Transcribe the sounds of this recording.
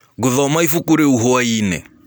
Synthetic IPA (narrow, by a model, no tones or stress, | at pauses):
ɡuðaɔmaifukuɾɛuɦɔwaiːnɛ̰